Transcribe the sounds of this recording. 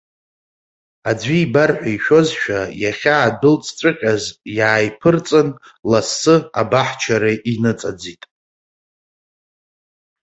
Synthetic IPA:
aiːbarħʷᶣaiʃᶣo̞zʃᶣajaχʲaːdɨlt͡sʼt͡sʷʼɨqʲʼazjaːjpʰɨrt͡sʼɨnlasːɨa̰baħt͡ʃʰaɾaʔinɨt͡sʼad͡zitʼ

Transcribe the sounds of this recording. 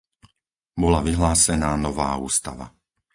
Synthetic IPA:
bɔlaʋiɦlaːsɛnaːnɔʋa̰ːuːst̪a̰ʋa̰

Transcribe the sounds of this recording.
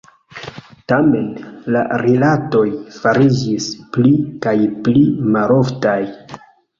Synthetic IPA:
tame̞nla̰ɾilato̞jfaɾid͡ʒisplikajplimalo̞ftaj

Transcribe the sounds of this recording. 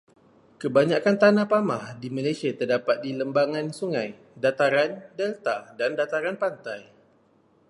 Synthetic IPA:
kəbaɲakant̪anãpamahdimalajsiat̪ərdapat̪̚diləmbaŋãnsuŋãj | dat̪aɾandɛlt̪adandat̪aɾanpant̪aj

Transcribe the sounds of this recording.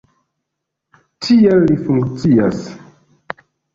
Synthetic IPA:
tʰielːifuŋkt͡sias

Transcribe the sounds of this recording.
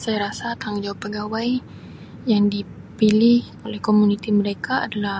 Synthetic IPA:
sajaɾasat̪aŋd͡ʒawapːəɡawaj | jaŋdi | pilɪh | olɛhkomunit̪iməɾekaa̰dala

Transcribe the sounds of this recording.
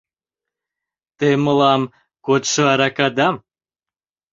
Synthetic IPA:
t̪eməlɑm | kot̪ʃəɑɾɑkɑd̪ɑm

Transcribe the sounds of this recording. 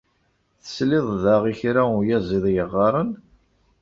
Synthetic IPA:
θə̥slɪðˤðaʁiçɾaʊjæzˤiðˤjəʁːɑɾˤən

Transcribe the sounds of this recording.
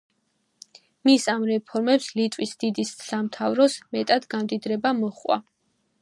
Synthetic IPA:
misamɾɛpʰɔɾmɛpslit̪ʼwisd̪̥id̪isːamt̪ʰavɾɔsmɛt̪ʼad̪ɡamd̪id̪ɾɛbamɔχʼwa̰

